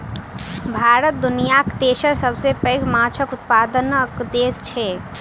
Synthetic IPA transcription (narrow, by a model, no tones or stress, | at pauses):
bʱaːɾət̪̚d̪unijakt̪eːʃəɾsəbʱsepə̃ɪɡmãt͡ʃʰəkʊt̪̚pad̪ənəkd̪eːst͡ʃʰɛ